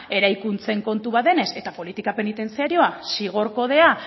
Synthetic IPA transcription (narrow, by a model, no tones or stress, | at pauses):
e̞ɾajkunt͡se̞ŋko̞nt̪uβ̞aðe̞ne̞se̞t̪apo̞lit̪ikape̞nit̪e̞nt͡siaɾio̞asiɣ̞o̞ɾko̞ð̞e̞a